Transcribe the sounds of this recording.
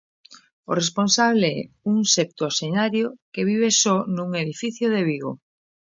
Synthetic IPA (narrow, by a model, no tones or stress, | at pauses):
o̰responsaβ̞leɛ̰uŋsep̚t̪osenaɾjokeβiβ̞esɔnuŋeðifiθjoðeβ̞iɣo̰